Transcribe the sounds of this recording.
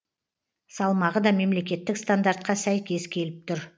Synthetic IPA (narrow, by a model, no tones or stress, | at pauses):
sɑlˠmɑʁəd̪ɑme̞mle̞kʲe̞t̪ːɪkst̪and̪aɾt̪̚qɑsæjkʲe̞zkʲʰe̞lɪp̚t̪ʰʊɾ